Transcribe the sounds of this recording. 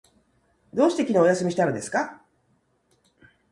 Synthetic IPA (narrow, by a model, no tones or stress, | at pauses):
d̪o̞ːɕi̥t̪e̞kʲino̞ːjasɨmʲiɕit̪aɾod̪e̞sɨ̥ka